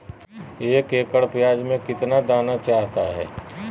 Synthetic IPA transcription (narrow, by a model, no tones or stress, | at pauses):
eːkeːkəɽpjaːd͡ʒmẽkɪt̪nad̪aːnat͡ʃaːɦt̪aɦɛ̰ː